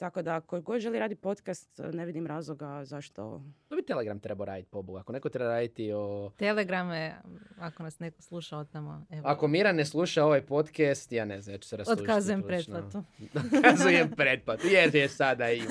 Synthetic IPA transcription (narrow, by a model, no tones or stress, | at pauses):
t̪ako̞d̪aːkoɡo̞d̪ʒelˠiɾaːd̪ipo̞t̪kast̪neʋid̪imɾaːzlˠoɡazaʃt̪o̰obit̪e̞leɡɾamt̪ɾe̞baɾa̰ːd̪it̪i̥po̞buɡakone̞kot̪ɾebaɾaːd̪it̪iot̪eleɡɾameakonasnekoslˠuʃaot̪amo̰eako̞miɾaneslˠuʃao̞ʋajpo̞t̪kest̪jaːne̞znamjaːt͡ʃu̥seɾasotluːkaʃazujempɾed̪̚plat̪uokʰazujempɾet̪̚plat̪ujeɾjesad̪ai